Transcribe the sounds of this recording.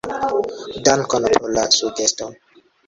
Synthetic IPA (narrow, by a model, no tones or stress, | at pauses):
dankɔnopɾolasuɡesto